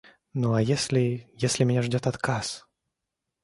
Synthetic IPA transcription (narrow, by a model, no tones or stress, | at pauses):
nuajesʲlʲɪjesʲlʲɪmʲnʲaʐdʲɔt̪at̪kʰas